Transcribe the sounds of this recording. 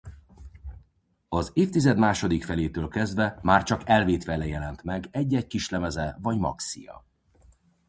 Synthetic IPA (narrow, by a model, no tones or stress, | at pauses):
ɒzeːft̪izɛd̪maːʃo̞d̪ikfɛleːt̪øːlkɛzd̪vɛmaːrt͡ʃɒkɛlveːt̪ʋɛlɛjɛlɛnt̪mɛɡɛɟːɛckiʃlɛmɛzɛvɒɟmɒ̰ksḭjɒ̰